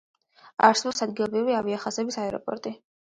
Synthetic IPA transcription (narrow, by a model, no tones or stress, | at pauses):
a̰ɾsvɔsad̪̚ɡilˠɔbɾiviaviaχasɛbisaɛɾɔ̰pʼɔ̰ɾt̪ʼi